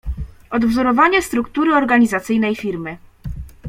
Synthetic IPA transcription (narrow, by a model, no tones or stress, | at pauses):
ɔd̪vzɔɾɔvaɲɛst̪ɾukt̪uɾɘɔɾɡaɲizat̪sɘjnɛjfʲiɾmɘ